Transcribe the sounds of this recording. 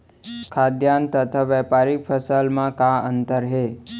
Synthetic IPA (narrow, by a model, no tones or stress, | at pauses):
kʰad̪jant̪ət̪ʰaʋɛpaɾipʰəsəlmãkaənt̪əɾɦe